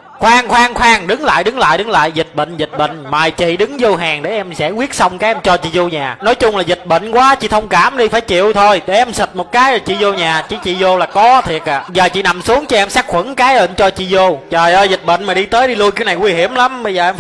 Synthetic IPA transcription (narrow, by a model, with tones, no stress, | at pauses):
xwaː˧ŋxwaː˧ŋxwaː˧ŋɗɨ˨˦ŋla̰ː˧˨jɗɨ˨˦ŋla̰ː˧˨jɗɨ˨˦ŋla̰ː˧˨jzi˨˩t̚ɓə̰˧˨ŋ̟zi˨˩t̚ɓə̰˧˨ŋ̟maː˨˩jt͡ɕḭ˧˨ɗɨ˨˦ŋzo˧ɦaː˨˩ŋɗe˧˩ʔɛ˧msɛ̰˧˥kwi˦˥ət̚sa˧wŋ͡mkaː˨˦jʔɛ˧mt͡ɕɔ˧t͡ɕḭ˧˨zo˧ɲaː˨˩nɔ˨˦jt͡ɕʊ˧ŋ͡mlaː˨˩zi˨˩t̚ɓə̰˧˨ŋ̟kwaː˨˦t͡ɕḭ˧˩t̪ʰə˧wŋ͡mkaː˧˩mɗi˧faː˧˩jt͡ɕḭ˧˨əwt̪ʰo˧jɗe˧˩ʔɛ˧msi˨˩t̚mo˨˩t̚kaː˨˦jt͡ɕḭ˧˨zo˧ɲaː˨˩t͡ɕḭ˧˩t͡ɕḭ˧˨zo˧laː˨˩kɔ˨˦t̪ʰi˨˩ək̚ʔa̰ː˧˩zəː˨˩t͡ɕḭ˧˦na˨˩msu˨˦əŋt͡ɕɔ˧ʔɛ˧msaː˦˥k̚xwə˧˩˦ŋkaː˨˦jə̰˧˨t͡ɕɔ˧t͡ɕḭ˧˨zo˧t͡ɕəː˨˩jʔəː˧jzï˨˩t̚ɓə̰˧˨ŋ̟maː˨˩i˧t̪əː˨˦jɗi˧lu˧əjka˨˦na˨˩jŋwi˧hi˧˩əmla˨˦mɓə˧jzəː˨˩ʔɛ˧m